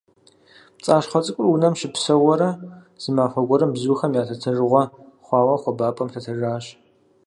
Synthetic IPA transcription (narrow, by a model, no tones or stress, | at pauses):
t͡sʼaːɕχʷɐt͡sʼɨkʷʼʊrwunɐmʃɪpsɐwɔɾɐ | z̥ɨmaːfɐɡʷɔɾɐmbzuːxɐmjaːtʰɐtʰɨrɨʁʷɐ | χʷɑːwɐχʷɔbaːpʼɐmɬʰɐtʰɨraːɕ